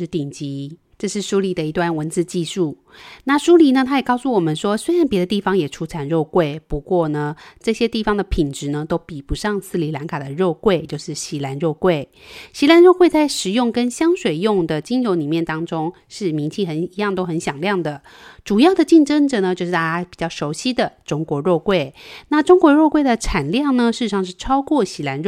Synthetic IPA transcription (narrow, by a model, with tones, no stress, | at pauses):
t̪i˨˩ŋt͡ɕi˧˥ | ʈ͡ʂɤ˥˧ʂɻ̩˥˩ʂu˥li˨˩d̪ə˩i˧˩t̪wa˥˩nwə˧˥nt͡sɹ̩˥˧t͡ɕi˥˧ʂu˥˩ | na˥˩ʂu˥li˧˥nə˧t̪ʰa˥jɛ˨˩kɑ˥˧ʊsu˥˩wɔ˨˩mə˦nʂwɔ˥swe˥ɪɻa˧˦npjɛ˧˥d̪ə˧t̪i˥˩fɑ˥ŋjɛ˨˩ʈ͡ʂʰu˥t͡sʰa˧˥nɻo˥˧ʊkwe˥˩ɪpu˧˥kwɔ˥˩nə˩ʈ͡ʂɤ˥˩ɕjɛ˥t̪i˥˩fɑ˥ŋd̪ə˨pʰi˨˩nʈ͡ʂɻ̩˧˦nə˧t̪o˥ʊpi˨˩pu˧˥ʂɑ˥˧ŋsʰɹ̩˥˩li˧˥la˧˥nkʰa˨˩d̪ə˩ɻo˥˧ʊkwe˥˧ɪt͡ɕjo˥˧ʊʂɻ̩˥˩ɕi˧˥la˧˥nɻo˥˧ʊkwe˥˩ɪɕi˧˥la˧˥nɻo˥˧kwe˥˧ɪt͡sa˥˩ɪʂɻ̩˨˩jʊ˥˩ŋkə˥nɕjɑ˥ŋʂwe˨˩ɪjʊ˥˩ŋd̪ə˨t͡ɕi˥nɻo˧˥ʊni˨˩mjɛ˥˩nt̪ɑ˥ŋʈ͡ʂʊ˥ŋ | ʂɻ̩˥˩mi˧˥nt͡ɕʰi˥˩xə˧˥ni˧˥jɑ˥˩ŋt̪o˥ʊxə˧˥nɕjɑ˨˩ŋljɑ˥˩ŋd̪ə˩ | ʈ͡ʂu˨˩jɑ˥˩ʊd̪ə˩t͡ɕi˥˩nʈ͡ʂə˥ŋʈ͡ʂə˨˩nə˩t͡ɕjo˥˧ʊʂɻ̩˥˩t̪a˥˩t͡ɕa˥pi˨˩t͡ɕjɑ˥˩ʊʂo˧˥ʊɕi˥d̪ə˨ʈ͡ʂʊ˥ŋkwɔ˧˥˦ɻo˥˧ʊkwe˥˩ɪna˥˩ʈ͡ʂʊ˥ŋkwɔ˧˥ɻo˥˧ʊkwe˥˩ɪd̪ə˩ʈ͡ʂʰa˨˩nljɑ˥˩ŋnə˩ʂɻ̩˥˩˧ɻ̩˧ʂɑ˥˧ŋʂ̬ɻ̩˥˩ʈ͡ʂʰɑ˥ʊkwɔ˥˩ɕi˧˥la˧˥nɻ